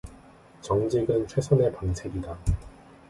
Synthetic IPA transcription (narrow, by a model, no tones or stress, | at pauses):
t͡ɕʌŋd͡ʑiɡɯnt͡ɕʰwe̞sʰone̞paŋt͡ɕʰe̞ɡida